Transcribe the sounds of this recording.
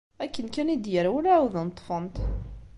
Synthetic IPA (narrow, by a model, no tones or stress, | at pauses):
ækːənkænid̪jəɾawælawðənt̪ˤːfənt̪